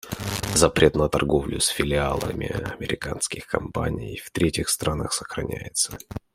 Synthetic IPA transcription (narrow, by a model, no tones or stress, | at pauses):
zɐpɾʲe̞t̪nət̪ɐrɡo̞vlʲʊsfʲɪlʲɪalˠə̰mʲɪɐmʲɪɾʲɪkanskʲɪxkɐmpanʲɪjft̪ɾʲetʲɪxst̪ɾanəxsəxɾɐnʲæ̰jɪt̪sə